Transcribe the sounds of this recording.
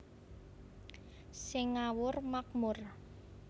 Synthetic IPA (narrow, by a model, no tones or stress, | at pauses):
sɪŋawʊrmak̚mʊr